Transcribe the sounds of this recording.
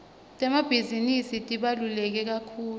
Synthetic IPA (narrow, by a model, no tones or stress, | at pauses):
tʼɛmab̥ʱizinisitʼiɓalulɛk̬ɛk̬akʰuːl